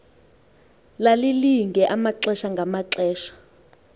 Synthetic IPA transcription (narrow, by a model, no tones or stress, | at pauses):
laliliŋɡʱɛʔamaǁɛʃaŋɡʱamaǁɛːʃḁ